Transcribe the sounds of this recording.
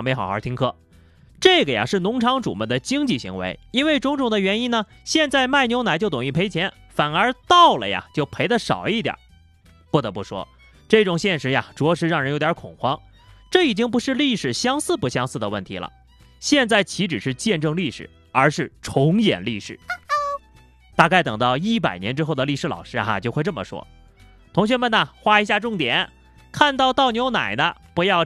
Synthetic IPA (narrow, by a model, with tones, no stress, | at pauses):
ŋme˧˥ɪxɑ˨˩ʊxə̰˧˥t̪ʰi˥ŋkʰɤ˥˩ | ʈ͡ʂɤ˥˩ɡə˩ja̰˩ʂɻ̩˥˩nʊ˧˥ŋʈ͡ʂʰɑ˧˥ŋʈ͡ʂṵ˨˩mə˧˥nd̪ə˨t͡ɕi˥ŋt͡ɕi˥˩ɕi˧˥ŋwḛ˧˥ɪi˥nwe˥˩ɪʈ͡ʂʊ˧˥ŋʈ͡ʂʊ˨˩ŋd̪ə˧ɥɛ˧˥ni˥nə˨ | ɕjɛ˥˧nt͡sa˥˩ɪma˥˩ɪnjo˧˥ʊna˧˥t͡ɕjo˥˩ʊt̪ʊ˨ŋi˥˩pʰe˥ɪt͡ɕʰjɛ˧˥n | fa˨˩nə˞˧˥t̪ɑ˥˩ʊlə̰˨ja̰˩t͡ɕjo˥˩ʊpʰe˧˥ɪd̪ə˧ʂɑ̰˨˩ʊi˥˩t̪jɑ̰˨˩˦ | pu˥˩t̪ɤ˧˥pu˥˩ʂwɔ̰˥ | ʈ͡ʂɤ˥˩ʈ͡ʂʊ˨˩ŋɕjɛ˥˩nʂɻ̩˧˥ja̰˨ʈ͡ʂwɔ˧˥ʂɻ̩˧˥ɻɑ˥˩ŋɻə˧˥njo˧˥ʊt̪ʲjkʰʊ˨˩ŋxwɑ˥ŋ | ʈ͡ʂɤ˥˩i˨˩t͡ɕi˥ŋp̬u˧˥ʂɻ̩˥˧li˥˩ʂɻ̩˨˩ɕjɑ˥ŋsɹ̩˥˧˩pu˧˥ɕjɑ˥ŋsɹ̩˥˩d̪ə˩wə̰˥˩nt̪ʰḭ˧˥lə̰˧˩ | ɕjɛ˥˧nt͡sa˥˩ɪt͡ɕʰi˧˥ʈ͡ʂɻ̩˨˩ʂɻ̩˥˧t͡ɕjɛ˥˧nʈ͡ʂɤ˥˧ŋli˥˩ʂɻ̩̰˨˩˦ | ə˞˧˥ʂɻ̩˥˩ʈ͡ʂʰʊ˧˥ŋjɛ̰˨˩nli˥˩ʂɻ̩̰˨˩˦ | t̪a˥˧ka˥˩ɪt̪ɤ˨˩ŋt̪ɑ˥˧ʊi˥˩p̬a̰˨˩ɪnjɛ˧˥nʈ͡ʂɻ̩˥xo˥˩ʊd̪ə˩li˥˩ʂɻ̩˧˥lɑ˨˩ʊʂɻ̩˥a̰˧t͡ɕjo˥˧xe˥˧ɪʈ͡ʂɤ˥˩mə̰˩ʂwɔ̰˥ | t̪ʰʊ˧˥ŋɕ̬ɥɛ˥nmə˨nə˩xwa˥i˧˥ɕ̬ja˥˧ʈ͡ʂʊ˥˩ŋt̪jɛ̰˨˩˦n | kʰa˥˧nt̪ɑ˥˧ʊt̪ɑ˥˩ʊɲjo˧˥ʊna̰˨˩ɪnə˦pu˧˥jɑ˥˧ʊ